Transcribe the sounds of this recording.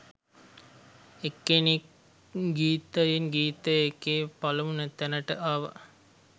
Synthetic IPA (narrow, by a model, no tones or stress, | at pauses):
ekːeni | ɡiːt̪ajenɡiːt̪əjekeːpalɐmunət̪ænəʈəʔaʋə̰